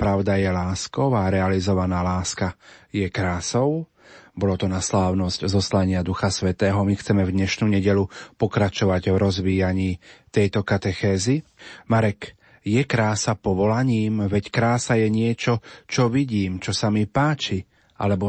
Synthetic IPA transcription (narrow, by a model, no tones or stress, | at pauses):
pɾaʊd̪ajɛlaːskɔʊaɾɛalizɔʋanaːlaːskajɛkɾaːsɔʊ | bɔlɔt̪ɔnaslaːʊnɔzczɔslaɲɪad̪uxasʋɛt̪ɛːɦɔmixt͡sɛmɛvd̪ɲɛʃnuɲɛɟɛʎupɔkɾat͡ʃɔʋaɟvɾɔzʋiːjaɲiːt̪ɛjt̪ɔkat̪ɛxɛːzimaɾɛk | jɛkɾaːsapɔʋɔlaɲiːmʋɛckɾaːsajɛɲɪɛt͡ʃɔt͡ʃɔʋiɟiːmt͡ʃɔsamipaːt͡ʃi | ʔa̰lɛbɔ